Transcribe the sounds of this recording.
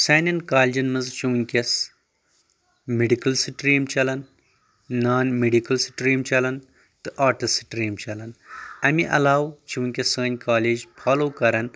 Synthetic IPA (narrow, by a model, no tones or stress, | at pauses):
saːnɐnkaːlʲd͡ʒɐnmɐnzt͡ʃiwnʲkʲɐs | meɖikɐlsɨʈɾiːmt͡ʃɐlɐnː | aːnmeɖikɐlsɨʈɾiːmt͡ʃɐlɐn | t̪ɨʔaːʈɐsɨʈɾiːmt͡ʃɐlɐnɐmiʔɐ̰laːwt͡ʃiwunʲkʲɐsəːnʲkaːleːd͡ʒpʰaːloːkɐɾɐn